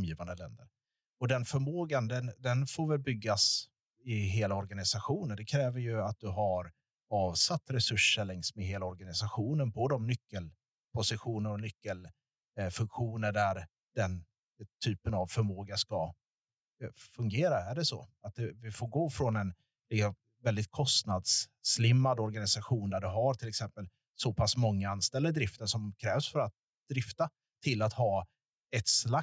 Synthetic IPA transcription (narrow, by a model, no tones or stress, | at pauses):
mjiːvand̪əlɛ̰nd̪əɾ | ɔd̪ɛnfœɾmoːɡand̪ɛnd̪ɛnfoːɾvɛlbʏɡːas | ɪɦeːlaɔɾɡanɪsaɧuːnənd̪ɛkʰɾɛːvəɾjɵat̪̚d̪ɵɦaɾ | ɑːvsat̪ːɾɛsɵʂːəɭɛŋsmɛɦeːlaɔɾɡanɪsaɧuːnənpʰod̪ɔmnʏkːəl | pʰʊsɪɧuːnəɾɔnʏkːəl | fɵŋkɧuːnəɖæɾ | d̪̥ɛn | t̪ʰyːpənavfœɾmoːɡaʂka | fɵŋɡeːɾaæɖɛsɔ̰at̪̚d̪ɛvɪfoːɾɡoːfɾɔnɛn | lɪksɔm | vɛld̪ɪt̪̚kʰɔst̪nad̪sːlɪmːad̪ɔɾɡanɪsaɧuːnd̪æɖɵɦaɾt̪ʰɪlɛksɛmpəl | sɔpʰasmɔŋːaanst̪ɛld̪əd̪ɾɪft̪əʂɔmkʰɾɛːvsfœɾat̪̚ | d̪̥ɾɪft̪a | t̪ʰɪlːat̪hɑː | ɛt̪sla